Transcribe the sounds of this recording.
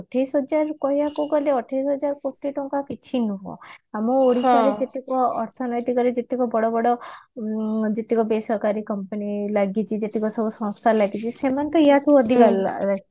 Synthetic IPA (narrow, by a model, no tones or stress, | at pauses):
ɔʈʰajsɦɔd͡ʒaɾkɔɦjakuɡɔleɔʈʰajsɦɔd͡ʒaɾkoʈːiʈɔŋkakit͡ʃʰinuɦɔ̰̃amɔoɾiaɾed͡ʒet̪ikɔːɾt̪ʰɔnɔjt̪ikɔɾed͡ʒet̪ikɔbɔɽɔbɔɽɔ | d͡ʒet̪ikɔbesɔɦkaɾikɔmpənilaɡit͡ʃʰid͡ʒet̪ikɔsɔbɔsɔ̃st̪ʰalaɡit͡ʃʰisemant̪ɔiɦat̪ʰuɔd̪ʱikala̰ɾas